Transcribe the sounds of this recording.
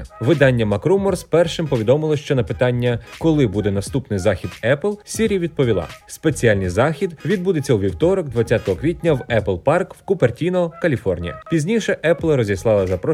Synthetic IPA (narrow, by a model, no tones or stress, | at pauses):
ʋɪd̪ɑnʲːɐmɐkɾumɔrspɛrʃɪmpɔʋʲid̪ɔmɪlˠɔʃt͡ʃɔnɐpɪt̪ɑnʲːɐkɔlˠɪbud̪ɛnɐst̪upnɪjzɑxʲid̪ɛplˠsʲiɾʲijɐʋʲid̪̚pɔʋʲilˠɑ̰spe̞t͡sʲiɑlʲnɪjzɑxʲid̪ʋʲid̪̚bud̪et͡sʲːɐwʋʲiwt̪ɔɾɔɡd̪ʋɐt͡sʲat̪ɔɦɔkʋʲit̚ʲnʲɐwɛplˠpɑrkwkʊpertʲinɔkɐlʲifɔrnʲijɐ̰pʲizʲnʲiʃɛʔɛplˠɾɔzʲislˠɑlˠɐzɐpɾɔ